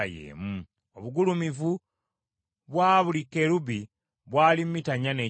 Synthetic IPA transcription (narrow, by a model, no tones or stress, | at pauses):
jḛːmu | oβuɡulumivu | βwaːβulikeɾuβi | βwaːlimmitaɲane̞